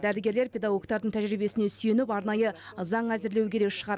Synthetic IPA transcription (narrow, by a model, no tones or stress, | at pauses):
d̪æɾɪɡʲe̞ɾle̞ɾpʰʲe̞d̪ɑɡo̞kt̪ɑɾd̪əɴt̪ʰæʒɾibe̞sɪne̞syje̞nɪpɑɾnɑjə | zɑɴæzɪɾle̞wkʲʰeɾe̞kʃəʁɑɾ